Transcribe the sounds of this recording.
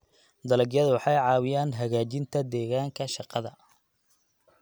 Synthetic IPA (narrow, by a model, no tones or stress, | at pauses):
d̪ɐlɛɡjɐðʊwɑħɑjʕɑːwɪjaːnɦɐɣaːt͡ʃɪnt̪ʰɐd̪ɛːɣaːŋkʰɐʃɑqɑðɐ